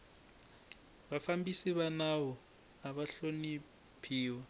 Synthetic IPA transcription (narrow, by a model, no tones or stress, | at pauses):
βafambisiβanawɔ | aβaɬoni | pʰiːwa